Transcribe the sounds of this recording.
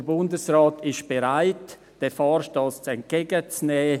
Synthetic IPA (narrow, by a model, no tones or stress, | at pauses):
əbʊndəsraːtʰɪʃb̥eɾaɪt | d̥efɑːɾʃtost͡sɛnt̚ɡ̥ɛːɡət͡snɛː